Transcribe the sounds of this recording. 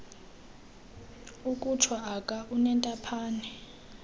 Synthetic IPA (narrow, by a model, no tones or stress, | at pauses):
ukʼut͡ʃʰwaːkʼaʔunɛntʼapʰaːnɛ